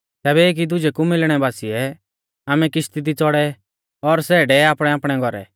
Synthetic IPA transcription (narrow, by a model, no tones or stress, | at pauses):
t̪ɛːβɛeːk̬id̪ʊd͡ʒɛkumɪlɽ̃ɛbaːsiɛ | aːmɛkɪst̪id̪it͡sɔɽɛ | ɔɾsɛːɖɛaːpɽ̃ɛaːpɽ̃ɛɡʱɔɾɛ̰